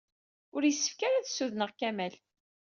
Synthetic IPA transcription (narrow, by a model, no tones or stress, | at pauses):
ʊɾjəsːə̥fkaɾaðsːuðnəʁkæmæl